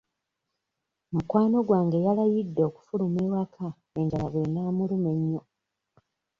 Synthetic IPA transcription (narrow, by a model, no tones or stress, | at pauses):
mukwaːno̞ɡwaːŋɡejalajidːo̞ːku̥fulumeːwakʰa | eːɲɟalaɣenaːmulume̞ɲːo